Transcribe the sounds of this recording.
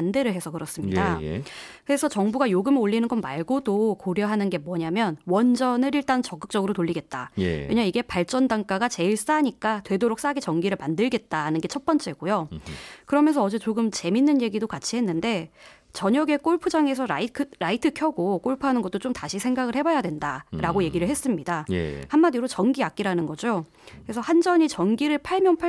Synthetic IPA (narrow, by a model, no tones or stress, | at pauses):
nde̞ɾɯɭɦesʰʌkɯɾʌs͈ɯmɲidakɯɾe̞sʰʌt͡ɕʌŋbuɡajoɡɯmeoʎːinɯnɡʌnmaɭɡodokoɾjʌɦanɯnɡe̞mwʌɲamjʌnwʌnd͡ʑʌnɯɾiɭt͈ant͡ɕʌk͈ɯ̥k̚t͡ɕ͈ʌɡɯɾotoɭːiɡe̞t̚t͈a̰kkɯɲaiɡe̞paɭt͡ɕ͈ʌndaŋk͈aɡat͡ɕe̞iɭs͈aɲik͈atwe̞doɾok̚s͈aɡet͡ɕʌŋɡiɾɯɭmandɯɭɡe̞t̚t͈aanɯnɡe̞t͡ɕʰʌt̚p͈ʌnt͡ɕ͈e̞ɡojokɯɾʌmjʌns̬ʰʌːd͡ʑe̞t͡ɕoɡɯmt͡ɕe̞minːɯnje̞ɡidokat͡ɕʰiɦe̞nːɯnde̞ | t͡ɕʌɲʌɡe̞k͈oɭpʰɯd͡ʑaŋe̞sʰʌɾaikʰɯɾaitʰɯkʰjʌɡok͈oɭpʰɯɦanɯnɡʌt͈ot͡ɕ͈omtaɕʰisʰe̞ŋɡaɡɯɭhe̞bajadwe̞ndaɾaɡoje̞ɡiɾɯɭɦe̞s͈ɯmɲidajhamːadiɾot͡ɕʌŋɡiak͈iɾanɯnɡʌd͡ʑo | kɯɾe̞sʰʌhand͡ʑʌɲit͡ɕʌnɡiɾɯɭpʰaɭmjʌnpʰa